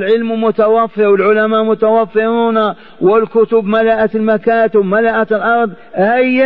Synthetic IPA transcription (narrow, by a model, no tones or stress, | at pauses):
lʕɪlmmʊt̪awafːɪɾwɪlʕʊlamaːʔmʊt̪awafːɪɾuːna | wɪlkʊt̪ʊbmalaʔalmakaːt̪ɪwmalaʔat̪lʔɑɾˤðˤ | ʔaj